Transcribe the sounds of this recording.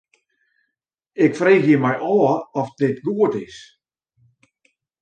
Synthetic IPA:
ɪkfreːxjimɛjʔɔːɔfdɪtɡuətɪs

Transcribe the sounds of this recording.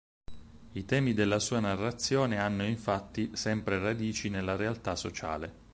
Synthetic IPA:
it̪ɛːmid̪elːasuːanarːat̪sːjoːneanːoiɱfat̪ːisɛmpɾerad̪iːt͡ʃinelːaɾealt̪asːot͡ʃa̰ːle

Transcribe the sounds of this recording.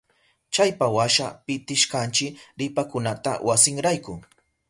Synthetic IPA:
t͡ʃajpawaʃapɪt̪ɪʃkant͡ʃɪɾɪpakʊnat̪a̰wʔasɪŋɾajkʊ

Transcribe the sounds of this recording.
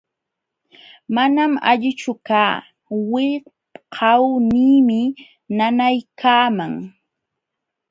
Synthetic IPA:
manama̰ʎɪt͡ʃʊkaː | wɪ | qʰɑwniːmɪ | nanajkʰaːmaŋ

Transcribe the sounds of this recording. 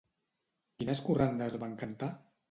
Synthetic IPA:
kinəskurand̪əzβaŋkənt̪a

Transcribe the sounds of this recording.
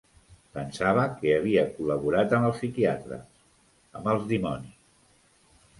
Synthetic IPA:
pənsaβ̞əkeəβ̞iəkuləβuɾat̪əməlˠsikiat̪ɾə̰ | əməlˠzðimɔnis

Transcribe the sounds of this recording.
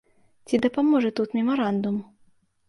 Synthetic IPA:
t͡sʲid̪ɐpamɔʐɛt̪ut̪mʲɛmaɾand̪um

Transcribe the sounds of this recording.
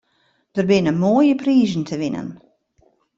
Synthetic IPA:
d̥ərbɪnəmoːjəpriːzən̩tʰəʋɪnə̰n

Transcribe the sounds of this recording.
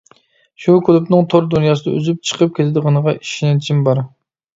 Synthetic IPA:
ʃukʰʲylˠupnɨŋt̪ʰoɾd̪unjɑːsɨd̪ɑ̰y̰zyp̚t͡ʃʰə̥qʰəp̚kʲet̪ʰɪd̪əʁɑnəʁɑiʃnɛt͡ʃʰimbɑɾ

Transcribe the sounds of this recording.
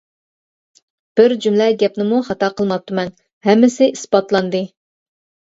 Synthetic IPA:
b̥ɪɾd͡ʒymlɛɡʲɛpnɪmuχɑt̪ɑqʰəlˠmɑp̚t̪ːumɛn | ɦɛmːɪsɪʔispɑt̪lˠɑnd̪ɨ

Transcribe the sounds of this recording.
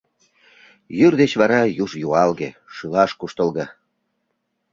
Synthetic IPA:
jyrd̪et͡ɕβɑɾɑjuʒjuɑlɣḛʃylɑʃkuʃt̪əlɣɑ

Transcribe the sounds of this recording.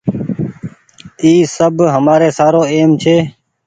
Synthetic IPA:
iːsəbɦəmaːɾeːsaːɾoːeːmt͡ʃʰeː

